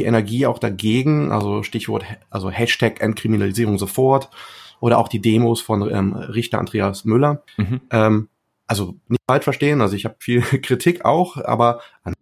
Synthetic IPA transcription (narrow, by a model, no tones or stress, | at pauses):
iʔɛnɛɐɡiːaʊxd̥aɡeːɡŋ̩ʔa̰lzoʃtɪçv̥ɔɐthʔalzohɛʃtʰɛkʔɛnt̚kʁ̥iminaliziːʁʊŋzofɔɐtʔoːɾɐʔa̰ʊxd̥iːdeːmoːsfɔnɛ̰ːmʁɪçtɐʔa̰ndʁeːasmʏlɐ | ʔɛːm | ʔalzonɪçtfalʃfɛɐʃteːənalzoɪçhaːbfiːlkʁ̥itʰɪka̰ʊxʔa̰ːbɐʔan